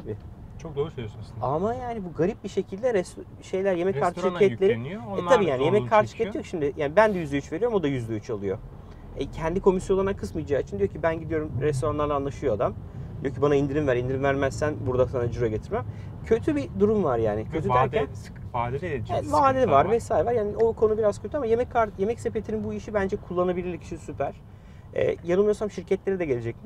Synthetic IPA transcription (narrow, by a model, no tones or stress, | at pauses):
t̪ʰabɪ | t͡ʃʰok̚d̪oːɾusøljosnsamajaːnibuɡaɾip̚biʃe̞cʰilʲd̪ɛɾɛs | ʃe̞jlʲæɾje̞mɛckkʰːaɾt̪ɯʃaelʲeɾinoɛabiːjaːnijemɛkʰːaɾt̪ɯʃɯ̥kɟeijokʃimd̪ɪjaːnibænd̪ɛjyzlɛyt͡ʃv̥e̞ɾioumo̞d̪ajyzd̪ɛyt͡ʃʰalˠɯjo̞ | ɛcʰɛnd̪ikʰo̞misjolˠanankʰɯsmɯjd͡ʒaːt͡ʃʰɯnd̪ijo̞cʰibænɟid̪ijo̞ɾumɾɛst̪o̞ɾanlˠaɾlˠanˠaʃɯjoad̪am | d̪ijo̞cʰibanaind̪iɾimvæɾind̪iɾimvæɾmæzsænbuɾd̪asanad͡ʒuɾaɟe̞t̪ʰiɾmɛm | cʰø̞t̪ʰybid̪uɾumvaɾjaːnɪcʰøt̪ʰyd̪æɾcæn | aeɛvaːlʲevaɾvɛsaːjɾevaɾjaːnio̞kʰo̞nubiɾaz̥cʰøt̪ʰyamajemɛckʰːaɾje̞mɛcse̞pet̪ʰininbuiʃibænd͡ʒɛkʰulˠːanabilʲilʲicʰi̥ʃisypʰæɾ̥ | ɛ̰ːjanɯlˠmujosamʃiɾcʰɛt̪lʲe̞ɾid̪ɛɟelʲed͡ʒɛcmi